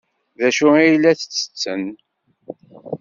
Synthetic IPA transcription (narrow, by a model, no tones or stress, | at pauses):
ðæʃʊijlːæθə̥t͡sːə̥t͡sːə̰n